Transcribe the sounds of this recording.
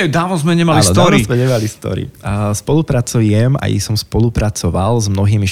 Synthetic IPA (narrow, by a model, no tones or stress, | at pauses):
ɛd̪aːʋɔzmɛɲɛmalialɔd̪ɔɾɔizmɛɲɛmalist̪ɔ̰ɾḭspɔlupɾat͡sujɛma̰jḭsɔmspɔlupɾat͡sɔʋalzmnɔɦiːmi